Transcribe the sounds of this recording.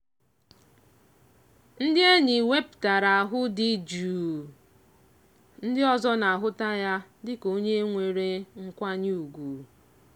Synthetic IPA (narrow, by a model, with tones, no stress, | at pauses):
n̩˦dɪ˦e˦ɲi˨we˦pta˨ɾa˨a˨ɦʊ˦di˦d͡ʒuː˨ | n̩˦dɪ˦ɔ˦zɔ˦na˨ɦʊ˦ta˦ja˦dɪ˦ko˦ɲe˦ŋʷe˨ɾe˦ŋ̩˦kʷa˦ɲ˦u˨ɡʷu˨